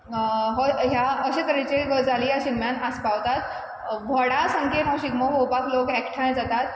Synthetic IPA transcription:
ɦɔɦjaəɕek̪əɾet͡ɕeɡəd͡zaliːjaɕinmjanaspaʋt̪at̪ | bʱɔɽasəŋkenɦɔɕiɡmɔɦowpaklokɛkʈʰaj̃d͡zat̪at̪̚

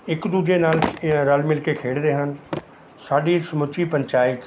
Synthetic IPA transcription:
ɪkd̪uːd͡ʒeːnaːlɾəlmɪlkeːkʰeːɽd̪eːɦən | saːɖiːsəmʊt͡ʃiːpəɲt͡ʃaːɪt̪

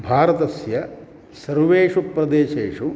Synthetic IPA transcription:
bʱaːɾɐt̪ɐsjɐ | sɐɾʋeːʂupɾɐd̪eːʃeːʂu

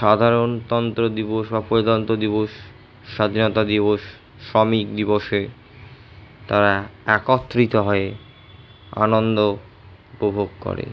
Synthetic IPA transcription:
ʃad̪ʱaɾont̪ɔnt̪ɾod̪iboʃbapoed̪ɔnt̪od̪iboʃː | ad̪ʱinot̪ad̪iβoʃː | ɔmikd̪iboʃe | t̪aɾaɛkot̪ːɾit̪oɦɔe | a̰nond̪o | upobʱoɡkɔ̰ɾḛ

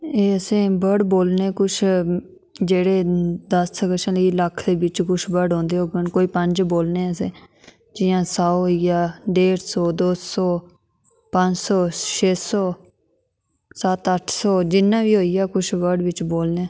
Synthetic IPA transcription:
eːəsẽːbəɖboːlneːkʊt͡ʃʰ | d͡ʒeːɽeːd̪əsːəkəʃãːləiːləkʰd̪eːbɪt͡ʃkʊt͡ʃʰbəɾɖɦõːnd̪eːɦoːɡənkoːiːpəɲd͡ʒboːlneːəsẽː | d͡ʒɪjãːsaːɦoːiaːɖeːɾsɔːd̪oːɔː | pəɲd͡ʒsɔːʃeːsɔː | sət̪əʈʰsɔːd͡ʒɪnːãːʋiːɦoːijaːkʊt͡ʃʰʋəɖʋɪt͡ʃboːlneː

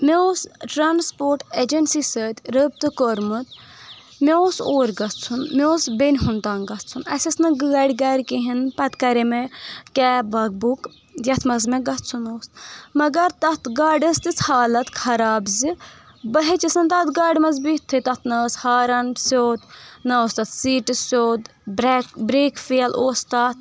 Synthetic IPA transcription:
meoːsʈɾaːnspoːɾʈed͡ʒɐnsisəːt̪ʲɾəb̚t̪ɨkoɾmɨt̪ | meoːsoːɾʲɡɐt̪ʰt͡sʰunmeosbenʲɦunt̪aːŋɡɐt̪ʰt͡sʰunɐ̰sʲɐsnɨɡɨɡɐɖʲɡɐɽʲkiɦinpɐt̪kɐɾemekʲɛːbɐɡ̚buk | jɐt̪ʰmɐzmeɡɐt̪ʰt͡sʰunoːsmɐɡɐɾt̪ɐt̪ɡaːɖɐst̪it͡sʰhaːlɐt̪kʰɐɾaːbzi | bɐɦet͡ʃisɐnt̪ɐt̪ɡaːɖʲmɐzbit̪ʰːɨt̪ɐt̪ʰnɐːshaːɾɐnsoːt̪nɐoːst̪ɐt̪siːʈisoːd̪ | bɾekbɾeːkfiɐlʔoːst̪aːt̪̚

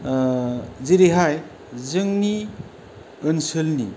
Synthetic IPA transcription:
ziɾiɦaj | zɯŋni | ɯnsɯlnḭ

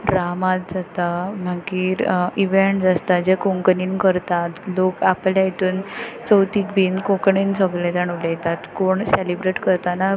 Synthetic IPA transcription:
ɾamat̪̚d͡zat̪am̤akiːɾiʋeɳʈd͡zast̪ad͡ʑekoŋkəniːnkəɾt̪at̪lokapljait̪uːnt͡səwt̪ik̚bʱiːnkõkɳinsəɡlẽt̪aɳulɛjt̪at̪koɳselibɾeʈkəɾt̪ana

